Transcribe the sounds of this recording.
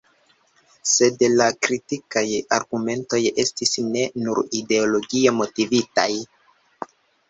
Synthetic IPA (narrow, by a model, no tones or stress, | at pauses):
se̞dlakɾitikaja̰ɾɡume̞nto̞je̞stisne̞nuɾide̞olo̞ɡie̞mo̞tivita̰j